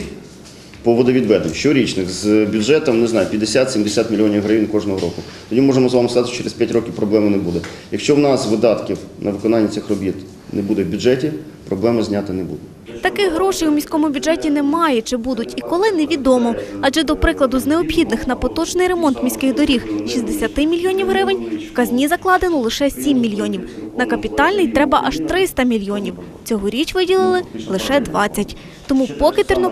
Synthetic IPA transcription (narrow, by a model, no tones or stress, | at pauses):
pɔʋɔd̪ɐʋʲid̪ʋɛd̪enʲʃt͡ʃɔɾʲit͡ʃnɪxzbʲʊd͡ʒɛt̪ɔmnɛznɑjʊpʲjɐd̪esʲat̪sʲimd̪esʲat̪mʲilʲijɔnʲiwɦɾɐjinkɔʐnɔɦɔɾɔkʊt̪ɔdʲimɔʐemɔzʋɑmɪskɐzɑt̪ɪt͡ʃɛɾespjatʲɾɔkʲiwpɾɔblˠɛmɪnɛbud̪ɛ | jɐkʃt͡ʃɔwnɑsʋɪd̪ɑt̪kʲiwnʔɐʋɪkɔnɑnʲːɐtsɪxrɔbʲit̪ | nɛbud̪ɛwbʲʊʐɛtʲi | pɾɔblˠɛmɪzʲnʲat̪ɪnɛbṵd̪ʊ | t̪ɐkɪxɦɾɔʃijumʲisʲkɔmʊbʲʊdʒɛtʲinɛmɑjɛt͡ʃɪbud̪ʊtʲikɔlˠɪneʋʲid̪ɔmɔɑdd͡ʒɛd̪ɔpɾɪklˠɐd̪ʊzneɔpxʲid̪nɪxnɐpɔt̪ɔt͡ʃnɪjɾemɔnt̪mʲisʲkɪɣd̪ɔɾʲixʃisd̪esʲɐt̪ɪmʲilʲjɔnʲiwɦɾɪʋɪnʲwkɐzʲnʲizɐklˠɑd̪enɔlˠɪʃɛsʲimːʲilʲjɔnʲiwnɐkɐpʲit̪ɑlʲnɪjt̪ɾɛbɐʔɐʃt̪ɾɪst̪ɐmʲilʲjɔnʲiw | t͡sʲɔɦɔɾʲit͡ʃʋɪdʲilˠɪlˠɪlˠɪʃɛd̪ʋɑt͡sʲːɐtʲ | t̪ɔmupɔkɪt̪irnɔ